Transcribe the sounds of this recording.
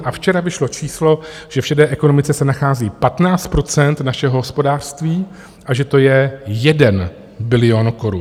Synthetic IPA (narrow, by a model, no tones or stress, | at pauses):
ʔaft͡ʃɛɾavɪʃlo̞t͡ʃʰiːslo̞ʒ̥ɛfʃɛdɛːʔɛko̞no̞mɪt͡sɛsɛnaxaːziːpat̪naːt͡st̪̚pɾo̞t͡sɛnt̪naʃɛɦoɦospo̞daːr̥st̪viː | ʔaʒɛt̪o̞jɛjɛdɛn | bɪlɪjo̞nko̞ɾun